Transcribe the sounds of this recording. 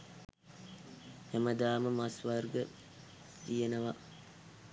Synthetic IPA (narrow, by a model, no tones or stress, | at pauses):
hæməd̪aːməmasʋarɡə | t̪ijenəʋa